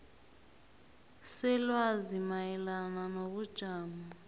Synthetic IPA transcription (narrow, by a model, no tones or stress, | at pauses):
sɛlwazimajɛlananoβud̥ʒ̥ʱaːma